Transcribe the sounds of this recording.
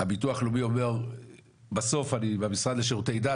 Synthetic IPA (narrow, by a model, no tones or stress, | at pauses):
abit̪uaχlumio̞me̞ʁ | baso̞fanibemisʁad̪leʃeʁut̪ejd̪a